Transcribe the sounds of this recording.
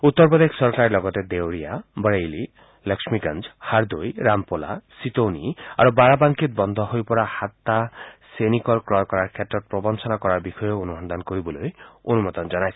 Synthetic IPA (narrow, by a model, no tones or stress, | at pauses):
ut̪ːɔɾpɔd̪ekʰsɔɾkaɾilɔɡɔt̪ed̪ewɾijabəɽejli | ləksmiɡand͡ʒhaɾd̪ojɾampola̰sit̪onia̰ɾubaɾabaŋkit̪̚bɔnd̪ʱɔɦojpɔɾahat̪ːasenikɔlkɾɔjkɔɾaɾkʰet̪ːɾɔt̪̚pɾɔbɔnsɔnakɔɾaɾbixɔjɔonuɦɔnd̪ʱankoɾibɔlojonumɔt̪ɔnd͡ʒɔnajsʰi̥